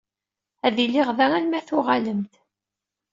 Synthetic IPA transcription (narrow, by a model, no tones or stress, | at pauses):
æðilːiʁðæŋælmæθʊʁaləmt̪